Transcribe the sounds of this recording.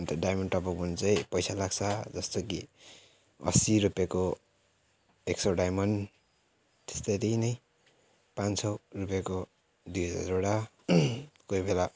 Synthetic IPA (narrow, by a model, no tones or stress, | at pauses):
nt̪ʌɖajmʌɳɖʈʌpʌk̚munt͡sʌjpʌjsalaɡt͡sʰʌd͡zʌst̪oki | ʌ̰siɾupjako | eksʌɖajmʌnɖ | t̪e̥st̪ʌjt̪inʌj | pansʌrupjako | d̪ujʌd͡za̰ɾoɽa | kojbela